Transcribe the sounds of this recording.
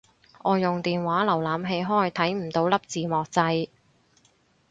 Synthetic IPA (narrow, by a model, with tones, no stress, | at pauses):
ʔɔː˨˧jʊ˨ŋt̪iː˨nwaː˨˥lɐ˨˩wlaː˨mɦe˧jɦɔː˥jt̪ʰɐ˨˥jm̩˨˩t̪o˨˧wlɐ˥p̚t͡siː˨˧mɔː˨k̚t͡sɐ˧j